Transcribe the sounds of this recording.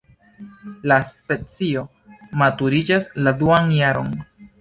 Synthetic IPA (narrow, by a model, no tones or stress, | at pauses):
laspe̞t͡sio̞ | matuɾid͡ʒasladuanjaɾo̞̰n